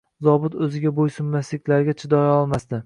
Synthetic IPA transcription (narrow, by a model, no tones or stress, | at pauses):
zɒbʊt̪ɵzɪɡʲabojsʊmːaslɪkʲlaɾɡʲat͡ʃʰɪd̪ɒjɒlˠmasd̪ɪ